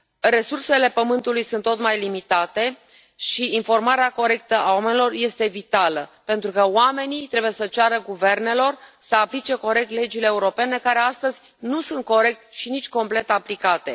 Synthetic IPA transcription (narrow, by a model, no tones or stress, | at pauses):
re̞surse̞le̞pəmɨnt̪ulujsunt̪ːot̪majlimit̪at̪e̞ | ʃiinfo̞rmaɾeako̞ɾe̞k̚t̪əʔawame̞nʲilo̞rje̞st̪e̞vit̪aləpe̞nt̪ɾukəoame̞nit̪ɾe̞buje̞sət͡ʃaɾəɡuve̞rne̞lo̞rsəaplit͡ʃe̞ko̞ɾe̞k̚t̪le̞d͡ʒileːuɾo̞pe̞ne̞kaɾe̞ast̪əzʲ | nusunt̪̚ko̞ɾe̞k̚t̪ʃinit͡ʃʲko̞mple̞t̪aplikat̪e̞